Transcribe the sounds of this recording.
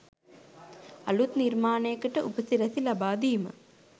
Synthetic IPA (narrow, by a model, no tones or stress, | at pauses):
ɐ̰lut̪nirmaːnejəkəʈəʔupəsiɾɐsilɐbaːd̪iːmə̰